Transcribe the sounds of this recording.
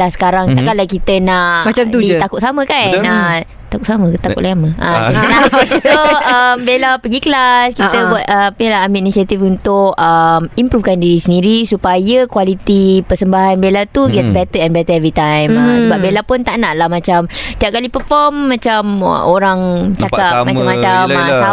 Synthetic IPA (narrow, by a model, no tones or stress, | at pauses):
lahsə̥kaɾaŋt̪aʔkalakit̪ənaʔmaamt̪udit̪akʊt̪̚samə̃kanə | t̪akʊʔsamə̃t̪akʊ̰ʔlaaməʔailasoəmbelapəɡikəlaskit̪əbuat̪̚əplaamiinisiat̪ifunt̪ʊkəmimpɾufkandiɾisəndiɾisupajakwalit̪ipəsəmbaɦanbelat̪uɡɛtsbɛt̪əɛnbɛt̪əɛvɾit̪ãjməsəbap̚belapʊnt̪aʔnaʔlahmãt͡ʃamt̪iap̚kalipəfɔmːãt͡ʃam̰ʔoɾaŋt͡ʃakap̚mãt͡ʃamːat͡ʃamsa